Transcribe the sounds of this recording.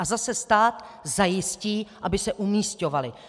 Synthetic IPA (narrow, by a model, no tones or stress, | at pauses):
azasɛst̪aːt̪zajɪsciːʔabɪsɛʔumiːsco̞valɪ